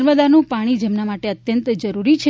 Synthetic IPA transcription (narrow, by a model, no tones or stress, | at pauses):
ɾməd̪anũpaɽ̃id͡ʒemnamaʈeət̪jənt̪d͡ʒəɾuɾit͡ʃʰe